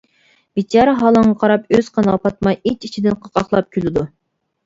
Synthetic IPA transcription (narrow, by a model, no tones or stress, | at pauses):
bit͡ʃʰɑːɾəɦɑlˠəŋʁɑqʰɑɾɑpøz̥qʰɑnɨɑpɑt̪̚mɑjet͡ʃit͡ʃʰid̪ɪnqʰɑqɑχlˠɑp̚kʲʰylɪd̪u